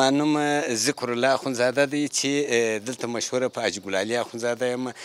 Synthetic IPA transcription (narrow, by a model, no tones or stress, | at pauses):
ɑnumazikʰʊɾulɑxunzɑd̪ad̪ajt͡ʃʰed̪əlt̪ʰamaʃhuɾapʰəːd͡ʒɡulaliaxunzɑd̪ajama